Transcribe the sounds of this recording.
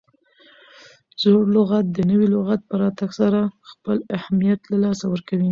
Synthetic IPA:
zoɽlʊɣat̪̚d̪ənəwilʊɣat̪̚pəɾɑt̪aɡsaɾaxpəlahamijat̪lalɑsawəɾkawi

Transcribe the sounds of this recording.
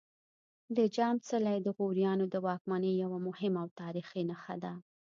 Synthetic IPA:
d̪əd͡ʒɑmt͡səlajd̪əɣoɾjɑnod̪əwɑkmanəjawamʊhɪmawt̪ɑɾixenaxa̰d̪a

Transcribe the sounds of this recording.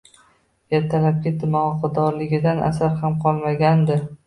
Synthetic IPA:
ɡʲat̪ʰːalap̚kʲɪt̪ʰːɪmɒqʰɑd̪ɒɾlɪɡʲɪd̪anʔa̰saɾhamqʰɒlˠmaɡʲand̪ɪ

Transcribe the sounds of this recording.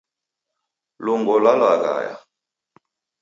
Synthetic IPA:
luŋɡɔlalaɣa̰ja̰

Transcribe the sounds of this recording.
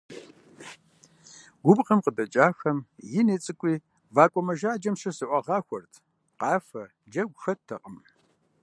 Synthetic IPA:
ɡʷʊbqəmqədɐt͡ʃʼaːxɐmjɪneːt͡sʼɨkʷʼiː | vaːkʷʼɔmɐʒaːd͡ʒɐmʂɐsɨʔʷɐʁɑːxʷɔrtʰ | qɑːfɐ | d͡ʒɐɡʷxɐtʰːɐ̰qʼəm

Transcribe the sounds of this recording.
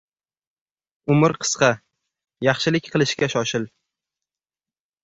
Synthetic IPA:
ʊmɪɾqʰɨ̥sqɑ | jɑχʃɪlɪkʲqʰɨlˠɪʃkʲaʃɒʃɪl

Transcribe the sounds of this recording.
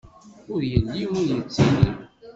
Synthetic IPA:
ʊɾjəlːiʊɾjət͡sːinəm

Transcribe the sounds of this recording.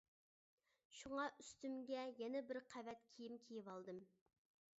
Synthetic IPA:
ʃuŋɑʔyst̪ymɡʲɛjɛnɛbɪɾqʰævɛt̪kʲʰijimkʲʰijivɑlˠd̪ɨm

